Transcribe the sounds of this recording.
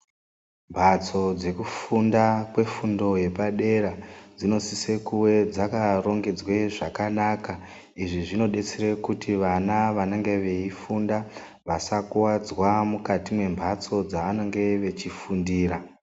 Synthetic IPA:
mbʱat͡so̞d͡ze̞kufundakwe̞fundo̞je̞paɗe̞ɾad͡zino̞sise̞kuwe̞d͡zakaro̞ŋɡe̞d͡zwe̞ʐakanaːka | iʐiʐino̞ɗe̞t͡serekutiʋanaʋaneŋɡe̞ʋe̞ifunda | ʋasakuwad͡zwamukatimwe̞mbʱat͡so̞d͡zaʋanoŋɡe̞ʋe̞t͡ʃifundiːɾa

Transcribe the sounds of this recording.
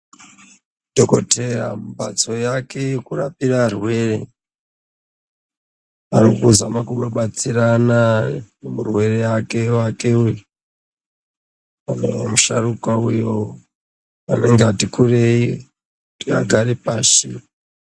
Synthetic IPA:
d̥ʱoko̰tʰe̞ra̰mubʱat͡so̞jake̞kurapirarwe̞re̞ | anikuzamakuɓoɓat͡sirananemurwe̞re̞ake̞wakeuj | aneomuʃarukwaujo | ane̞ŋɡeatikure̞i | tika̰ɡʱaɾepaːʃi

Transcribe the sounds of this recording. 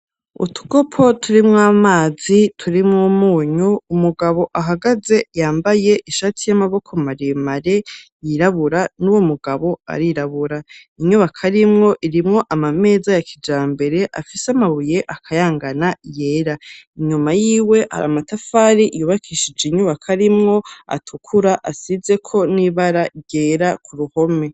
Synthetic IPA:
ṵtʰu̥ɡ̥o̞pʰo̞tʰuɾimŋamaːzitʰuɾimŋumuːɲuːmuɡaβo̞ʔaɦaɡaze̞jaːmbaje̞ʔiʃatʰijamaβo̞kʰomaɾemaɾe̞jiɾaβuɾanuwomuɡaβo̞a̰ɾiɾaβuɾa | iɲuβakʰaɾimŋo̞ʔiɾimŋo̞ʔamame̞ːzajakʰid͡ʒaːmbe̞ɾe̞ʔafisamaβuje̞ʔakʰajaːŋɡanaje̞ːɾaiɲumajiːwe̞ʔha̰ɾa̰matafaːɾiʔjuβakʰiʃid͡ʒeɲuβakʰaɾimŋo̞a̰tʰukʰuɾaʔasize̞kʰo̞niβaɾaɟeːɾakʰuɾuho̞me̞

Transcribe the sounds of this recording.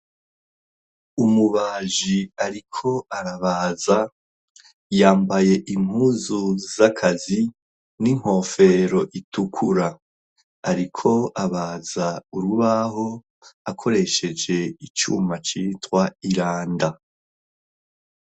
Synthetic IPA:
umuβaːʒiaɾikʰo̞aɾaβaza | jaːmbaje̞ʔimɦuːzuzakʰazi | niŋ̥ho̞fe̞ɾo̞ʔitukʰuɾaː | ɾikʰo̞ʔaβazauɾuβaɦo̞ | akʰo̞ɾe̞ʃe̞d͡ʒe̞it͡ʃṵːmat͡ʃitwaiɾaːnda

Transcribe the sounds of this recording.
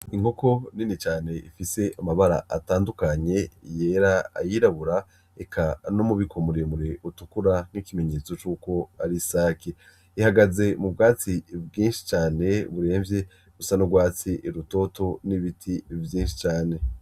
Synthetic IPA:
iŋ̥o̞ko̞ninit͡ʃaːne̞ʔifise̞ʔamaβaɾa̰ʔataːndukaɲe̞je̞ːɾaa̰jiɾaβuɾa | ekʰanomuβikʰomuɾemuɾe̞utukuɾan̥ikime̞ɲe̞ːt͡so̞t͡ʃuːko̞aɾisaːkʰe | ihaɡaze̞mubɡaːt͡sibɡiːnʃi̥t͡ʃaːne̞βuɾe̞ːɱvje̞ | ɡusanuɡwaːt͡siʔiɾuto̞to̞niβitʰivjĩːnʃi̥t͡ʃaːne̞

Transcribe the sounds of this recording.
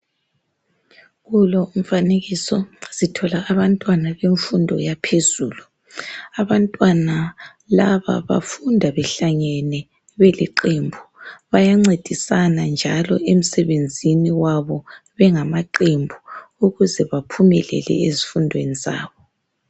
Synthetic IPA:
ɣuloum̩faneɣisɔz̥itʰɔlaːβantʼwanaβeɱfundʱɔ̰japʰezuːlu | aβantʼwana | laβa̰βa̰fundʱaβɛɬaɲɛnɛ | βɛliǃembʱuβajaŋ͡ǀed̥ʱisanand͡ʒʱalɔ̰ʔem̩sɛβend͡zʱiniwaβɔβɛŋamaǃembʱuuɣuzɛβapʰumɛlɛ̰lɛ̰ezifundʱweniza̰ːβɔ

